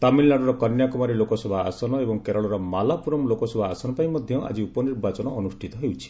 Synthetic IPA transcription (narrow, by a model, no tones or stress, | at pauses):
t̪amilːaɽɔɾɔkɔnjakɔmaɾelokɔsɔbʱaa̰sɔnɔebɔŋkeɾɔɭɔɾɔmalapuɾɔmlokɔsɔbʱaːsɔnɔpaĩmɔd̪ʱjɔʔa̰d͡ʒiupɔniɾbat͡ʃɔnɔʔːnusʈʰit̪ɔɦewt͡ʃʰi̥